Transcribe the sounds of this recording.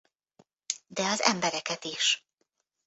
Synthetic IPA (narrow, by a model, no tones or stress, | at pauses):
d̪ɛɒzɛ̰mbɛɾɛkɛt̪iʃ